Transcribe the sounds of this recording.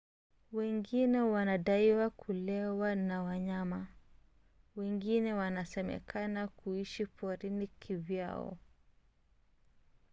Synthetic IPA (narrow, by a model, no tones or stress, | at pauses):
wɛŋɡinɛwanaɗaiwakʰulɛwanawaɲama | wɛŋɡinɛwanasɛmɛ̰kʰanakuiʃipʰɔɾinikʰivja̰ɔ̰